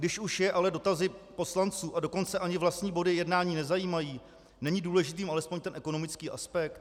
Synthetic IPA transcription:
ɡdɪʃuʃjɛʔalɛdo̞t̪azɪpo̞slant͡suːʔado̞ko̞nt͡sɛʔaɲɪvlast̪ɲiːbo̞dɪjɛdnaːɲiːnɛzajiːmajiː | nɛɲɪduːlɛʒɪt̪iːmʔalɛspo̞ɲt̪ɛnʔɛko̞no̞mɪt͡skiːʔaspɛk̚t̪

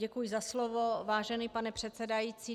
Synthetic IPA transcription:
ɛkujɪzaslovovaːʒɛniːpanɛpr̝̥ɛt̪sɛdajiːt͡siː

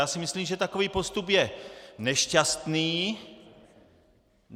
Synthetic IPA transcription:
aːsɪmɪsliːmʒɛt̪ako̞viːpo̞st̪upjɛnɛʃcast̪niː

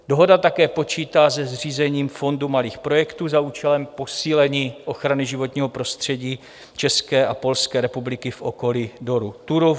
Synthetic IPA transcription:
do̞ɦo̞dat̪akɛːpo̞t͡ʃiːt̪aːz̬ɛzr̝iːzɛɲiːmfo̞ndumaliːxpɾo̞jɛkt̪uːzauːt͡ʃɛlɛmpo̞siːlɛɲiːʔo̞xɾanɪʒɪvo̞t̪ɲiːɦo̞pɾo̞st̪r̝̥ɛɟiː | t͡ʃɛskɛːʔapo̞lskɛːɾɛpublɪkɪfʔo̞ko̞lido̞ɾut̪uɾo

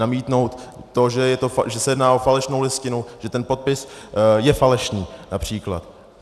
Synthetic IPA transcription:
amiːt̪no̞wt̪ːo̞ʒɛjɛt̪oʒɛsɛjɛdnaːʔofalɛʃnowlɪscɪnuwʒ̥ɛt̪ɛnpo̞t̪̚pɪsjɛfalɛʃniːnapr̝̥iːkla̰t̪

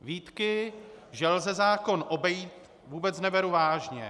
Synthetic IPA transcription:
viːt̪kɪʒɛlzɛzaːko̞nʔo̞bɛjiːt̪ | vuːbɛt͡snɛvɛɾuvaːʒɲɛ̰

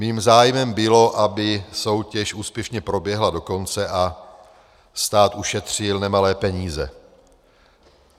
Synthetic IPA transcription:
miːmzaːjmɛmbɪlo̞ʔabɪso̞wcɛʃʔuːspjɛʃɲɛpɾo̞bjɛɦlado̞ko̞nt͡sɛʔa | st̪aːt̪uʃɛt̪r̝̥ɪlnɛmalɛːpɛɲiːzɛ̰

